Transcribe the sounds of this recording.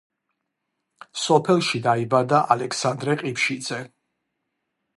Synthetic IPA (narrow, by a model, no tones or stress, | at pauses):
sɔpʰɛlˠʃid̪aibad̪aʔalɛkʰsand̪ɾɛqʼipʃid̪zɛ